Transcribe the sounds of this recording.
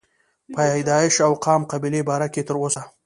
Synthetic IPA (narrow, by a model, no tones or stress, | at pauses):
pajɑjd̪ɑɪʃawqɑmqabilebɑɾaket̪əɾosa